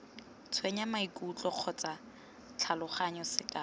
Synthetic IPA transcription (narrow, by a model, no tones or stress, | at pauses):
t͡sʰweɲamaikʼut͡ɬʼɔq͡χʰɔt͡sʼa | t͡ɬʰalʊχaɲɔsɪkʼa